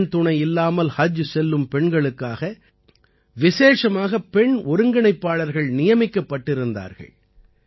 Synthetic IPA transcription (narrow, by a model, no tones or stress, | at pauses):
nt̪ʊɳɐɪɪlːaːmɐlhɐd͡ʒsɛlːɯmpɛɳɡɐɭɯkːaːɣɐ | ʋɪseːʂɐmaːɣɐpɛɳɔɾɯŋɡɪɳɐɪpːaːɭɐɾɣɐɭnɪjɐmɪkːɐpːɐʈːɪɾɯnd̪a̰ːɾɣɐ̰ɭ